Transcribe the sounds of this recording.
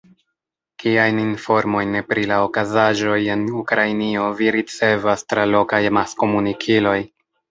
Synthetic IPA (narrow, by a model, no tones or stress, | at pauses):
kiajninfo̞ɾmo̞jnpɾilaokazaʒo̞je̞nukɾajnio̞viɾit͡se̞vastɾalo̞kajmasko̞munikʰilo̞j